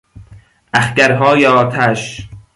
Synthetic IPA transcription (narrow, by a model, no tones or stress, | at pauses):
ʔæxcæɾɦɒːjeɒːt̪ʰæʃ